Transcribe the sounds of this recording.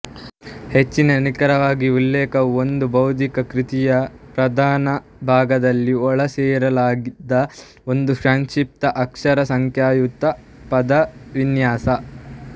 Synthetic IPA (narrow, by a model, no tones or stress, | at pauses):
het͡ʃːinɐnikɐɾɐʋaːɡiulːɛːkɐond̪ubɐwt̪̬ikɐkɾit̪ijɐpɾɐd̪ʱaːnɐ | bʱaːɡɐd̪ɐlːiɔɭɐsɛːɾɐlaːɡid̪ːɐ | ond̪uʃaːnʃip̚t̪ɐʔɐkʂɐɾɐsɐŋkʰjaːjut̪ɐ | pɐd̪ɐʋinjaːsɐ